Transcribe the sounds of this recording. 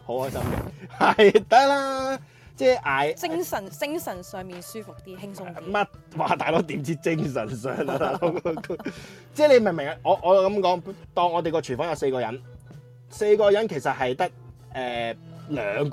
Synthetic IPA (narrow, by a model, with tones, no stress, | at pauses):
ho˨˥whɔː˥jsɐ˥mkɛ̰˧hɐ˨jt̪ɐ˥k̚laː˧ | t͡sɛː˥ʔaː˨˩jɪ˥ŋsɐ˨˩nt͡sɪ˥ŋsɐ˨˩nsœː˨ŋmiː˨nsyː˥fʊ˨k̚t̪iː˦˥ɪ˥ŋ˥mɐ˥t̚ | waː˨˩t̪aː˨jlo˨˥wt̪iː˨˥mt͡siː˥t͡sɪ˥ŋs̬ɐ˨˩nsœ̰ː˨ŋ˧˨ | t͡sɛː˥˩le˨˧jmɪ˨˩ŋmɪ˨˩ŋɐ˨˧ʔɔː˨˧ʔɔː˨˧kɐ˨˥mkɔː˨˥ŋt̪ɔː˧ŋɔː˨˧e˨jkɔː˧t͡ʃʰyː˨˩nfɔː˨˥jɐ˧wse˧jkɔː˧jɐ̰˨˥n | se˧jkɔː˧jɐ˨˥nkʰe˨˩jsɐ˨t̚hɐ˨jt̪ɐ˥k̚ | ʔɛː˨lœː˨˧ŋ